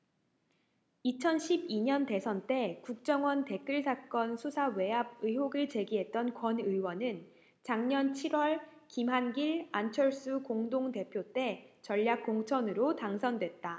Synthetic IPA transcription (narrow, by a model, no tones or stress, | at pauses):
it͡ɕʰʌnɕʰibiɲʌnte̞sʰʌnt͈e̞kuk̚t͡ɕ͈ʌŋwʌnte̞k͈ɯɭsʰak͈ʌnsʰusʰawe̞ab̚ɯjɦoɡɯɭt͡ɕe̞ɡiɦe̞t̚t͈ʌnkwʌnɯjwʌnɯn | t͡ɕaŋɲʌnt͡ɕʰiɾwʌɭkimɦanɡiɭant͡ɕʰʌɭs͈ukoŋdoŋte̞pʰjot͈e̞t͡ɕʌʎːak̚k͈oŋt͡ɕʰʌnɯɾotaŋsʰʌndwe̞t̚t͈a